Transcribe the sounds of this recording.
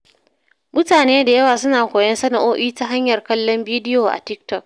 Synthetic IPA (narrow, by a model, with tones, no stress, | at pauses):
mʊ˦taː˨neː˦da˨jɐ˦waː˨sʊ˦naː˨kʷoː˨jɐ˦nsɐ˦na˨ʔoː˦ʔiː˦ta˦ɦa˦ɲjɐ˨rkɐ˦lːɔ˦mbiː˦dɪ˦joː˨ʔa̰˨tɪ˦k̚tɔ˦k̚